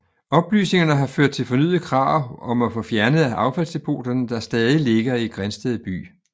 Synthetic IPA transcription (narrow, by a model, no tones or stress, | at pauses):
ɒ̽b̥ly̰ːsne̝ŋɐnəɦɑ̈føɐ̰d̥̚t͡sʰe̝lfɒ̽ny̰ð̩ˠkʰʁɑ̰̈ʊ̰ɒ̽mæfɔ̽fjæɐnəð̩ˠæʔɑ̈ʊfæl̰sd̥e̝pʰo̝̰ːd̥ɐnəd̥ɑ̈sd̥ɛːðˠile̝ɡ̥ɐiɡ̥ʁansd̥eð̩ˠb̥y̰ː